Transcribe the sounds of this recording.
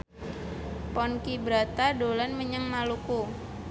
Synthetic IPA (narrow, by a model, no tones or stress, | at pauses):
pɔnkibəɾat̪adolanməɲəŋmaluku